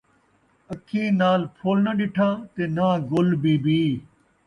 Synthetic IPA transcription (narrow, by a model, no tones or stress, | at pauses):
əkʰĩːnaːlpʰoːlnəɗɪʈʰãːt̪eːnãːɡʊlbiːbiː